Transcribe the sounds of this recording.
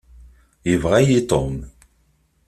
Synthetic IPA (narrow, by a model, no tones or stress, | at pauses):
jəvʁajit̪ˤom